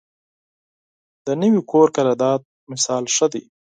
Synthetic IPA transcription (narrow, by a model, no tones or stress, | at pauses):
d̪̥ənəwikʰoɾkaɾɑd̪ɑd̪̚ | mɪsɑlʂəd̪ḛ